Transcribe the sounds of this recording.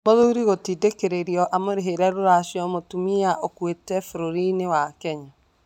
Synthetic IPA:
moðuɾiɣotidekeɾeɾiɔʔamoɾeɦeɾɛɾoɾaʃjɔmotumiaʔokwetɛfoɾoɾinewakɛɲa

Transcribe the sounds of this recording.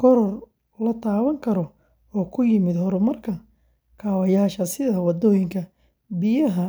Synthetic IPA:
kʰɔɾɔr | lɐt̪ʰaːβɐŋkʰɐɾɔ | ɔːkʰʊjɪmɪd̪hɔɾʊmɐrkʰɐ | kʰaːwɐjaːʃɐsɪðɐwɑd̪ɔːjɪŋkʰɐ | bɪjɐɦɐ

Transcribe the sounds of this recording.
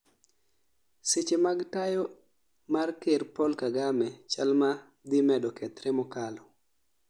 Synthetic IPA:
set͡ʃemaɡtajo | markeɾpɔlkaɡamɛt͡ʃalma | d̪ɪmɛdɔkʰɛt̪ɾɛmɔkalɔ

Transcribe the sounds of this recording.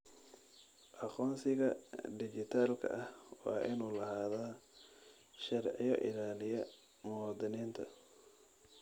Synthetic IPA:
ʔɑqɔːnsɪɣɐd̪ɪt͡ʃɪt̪ʰaːlkʰɐ̰ʔɐhwɑːʔɪnuːlɐhaːðaː | ʃɐɾʕɪjɔʔɪ̰laːlɪjɐ | mɔːd̪ɪniːnt̪ʰɐ̰

